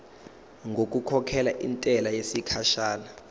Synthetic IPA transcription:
ŋɡʱok̬ʼukʰɔkʰɛlaʔintʼɛlajesikʰaʃaːla

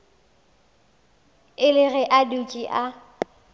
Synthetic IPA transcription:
ɪlɪɣɛʔadut͡ʃʼiʔa

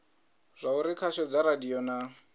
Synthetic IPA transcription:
z̥ʷauɾikʰaʃɔd͡zaɾadiɔna

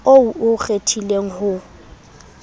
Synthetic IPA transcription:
ouʔʊɣetʰileŋ̩hʊ

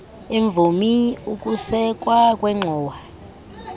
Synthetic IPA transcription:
eɱb̪vʱumiukʼusɛkʼwakʼwɛŋ͡ǃʱɔːwa

